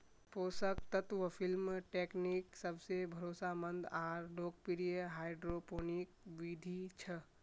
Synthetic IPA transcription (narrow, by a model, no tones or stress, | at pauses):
poːsək̚t̪ət̪ʋəpʰilmʈekniksəbʱsebʱəɾoːsamənd̪aːɾɖok̚piɾijəɦaːjɖɾoponikʋid̪ʱit͡ʃʰə